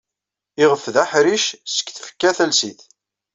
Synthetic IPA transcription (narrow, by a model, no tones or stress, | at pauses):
ɪʁəfðaħɾiʃsə̥kːθfə̥kːæθælsiθ